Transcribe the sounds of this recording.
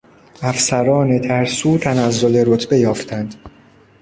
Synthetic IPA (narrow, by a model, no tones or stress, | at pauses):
æfsæɾɒːnet̪ʰæɾsuːt̪ʰænæzːole̞ɾot̪ʰbe̞jɒːft̪ʰænd̪̥